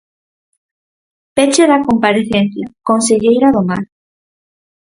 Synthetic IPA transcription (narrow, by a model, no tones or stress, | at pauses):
pet͡ʃeðakompaɾeθen̟θjakonseʎejɾaðomaɾ